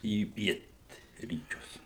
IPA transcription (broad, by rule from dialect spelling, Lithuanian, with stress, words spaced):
iː ˈpʲiɛtʲrʲiːt͡ʃʲʊs